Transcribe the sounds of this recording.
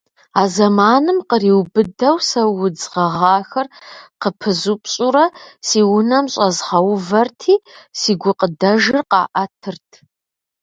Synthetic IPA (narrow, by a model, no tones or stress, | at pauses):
aːzɐmaːnɨmqəriːwbɨdɐwsɐwʊd͡zʁɐʁɑːxɐrqəpʰɨzupʰɕʼuɾɐsiːwʊnɐmɕʼɐzʁɐwvɐrtʰiːsiːɡʷʊqədɐʒɪrqɑ̰ːʔɐtʰɨrtʰ